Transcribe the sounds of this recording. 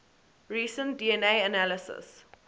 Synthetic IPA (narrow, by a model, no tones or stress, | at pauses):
ɹiːsə̃ntdiɛ̃neɪənæləsə̰s